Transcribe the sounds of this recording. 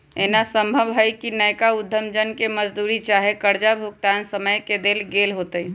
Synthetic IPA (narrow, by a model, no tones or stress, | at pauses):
enasəmbʱəbɦəjkinəjkaud̪ʱːəmd͡ʒənkeməd͡ʒd̪uɾit͡ʃaɦekəɾd͡ʒabʱuɡ̚t̪ansəməjked̪elɡelɦot̪əi